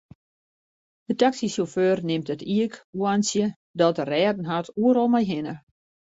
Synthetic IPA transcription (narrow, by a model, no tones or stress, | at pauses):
dətaksisoføːrnɪmtətiəkuansjə | dɔtərɛːdn̩ɦatʰuəɾɔlˠmajɦɪnə